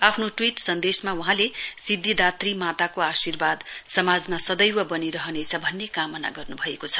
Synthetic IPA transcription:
apʰnoʈwiʈsʌnd̪esmawuɦãlesid̪ʱːid̪at̪rimat̪akoasirbad̪sʌmad͡zmasʌd̪ʌjwʌbʌniɾʌɦʌnet͡sʰʌbʱʌnːekamʌna̰ɡʌrnubʱʌekot͡sʰʌ̥

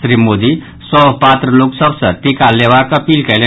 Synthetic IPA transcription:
sɾimːod̪i | sɔpat̪ɾəloksəbsə̃ʈ̪ikalːeʋakəpilkɛle

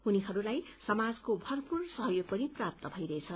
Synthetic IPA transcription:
ɦuniɦʌɾulajsʌmad͡zkobʱʌrpursʌɦʌjoɡ̚pʌniprap̚t̪ʌbʱʌjɾʌet͡sʰʌ

